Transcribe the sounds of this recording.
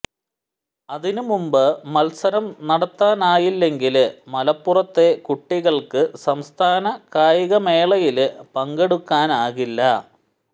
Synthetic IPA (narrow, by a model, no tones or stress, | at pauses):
ɐðinɨmumbɨmɐlsɐɾɐmnɐɽɐt̪ːaːnaːjilːe̞ŋɡilmɐlɐpːurɐt̪ːe̞kuʈːiɣɐɭkɨsɐmst̪ʰaːnɐkaːjiɣɐme̞ːɭɐjilɨpɐŋɡeɽukːaːnaːɣilːɐ